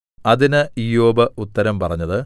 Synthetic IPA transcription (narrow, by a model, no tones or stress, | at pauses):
ɐðinɨijo̞ːbɐut̪ːɐɾɐmpɐrɐɲːɐðɨ